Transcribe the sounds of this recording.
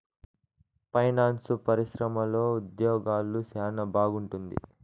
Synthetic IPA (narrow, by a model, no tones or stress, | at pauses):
pɐjnaːnsupɐɾiʃɾɐmɐlo̞ːud̪jɔːɡaːlusaːnɐbaːɡuɳʈund̪ḭ